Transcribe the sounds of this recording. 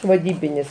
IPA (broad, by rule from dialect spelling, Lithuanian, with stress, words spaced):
ʋɐˈdʲiːbʲɪnʲɪs